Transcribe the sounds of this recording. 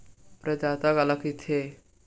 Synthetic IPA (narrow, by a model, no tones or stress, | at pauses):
pɾəd̪at̪aɡalakit̪ʰe